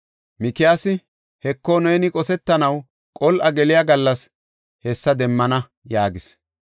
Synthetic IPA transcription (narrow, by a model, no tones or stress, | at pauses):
mɪkːɪjaːsɪ | hɛkːoneːnɪkʼɔsɛt̪ːɐnɐw | kʼɔlʔɐɡɛlɪjaɡɐlːɐs | hɛsːɐd̪ɛmːɐnɐ | jaːɡɪs